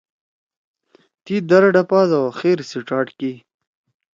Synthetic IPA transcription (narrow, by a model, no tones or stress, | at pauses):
t̪id̪aɾaɖapɑːzawaxeɾsiʈ͡ʂɑːʈki